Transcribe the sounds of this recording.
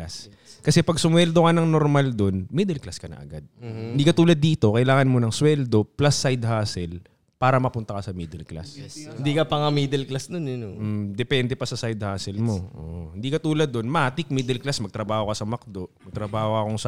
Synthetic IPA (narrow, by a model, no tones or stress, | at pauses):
as | kɐsɛpɐɡsʊmwɛld̪o̞kɐnɐŋnoɾmald̪o̞nmid̪ɛlklaskɐnɐ̰ʔɐ̰ɡad̪̚ɪnd̪iːkɐt̪uːlɐd̪ːiːt̪o̞kɐʔɪlaːŋɐnmo̞nɐŋswɛld̪o̞plɐsːajd̪haːsɛl | paːɾɐmɐpʊnt̪ɐkɐsɐmiːd̪ɛlkla̰sɪnd̪ikɐpɐŋamiːd̪ɛlklasd̪onjonm̩d̪ɛpɛnd̪ɛpɐsɐsajd̪̚haːsɛlmoʔo̰ːʔohɪnd̪iːkɐt̪uːlɐd̪ːo̞nmɐʔaːt̪ɪk̚miːd̪ɛlklasmɐɡ̚t̪ɾɐbaːho̞kɐsɐmɐk̚d̪o̞mɐɡ̚t̪ɾɐbaːhoɐkoŋsɐ